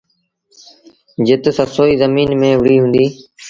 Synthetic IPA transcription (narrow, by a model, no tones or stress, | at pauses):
d͡ʒɪt̪səsoːiːzəmiːnmẽːʋɪɽiːɦʊ̃ːnd̪iː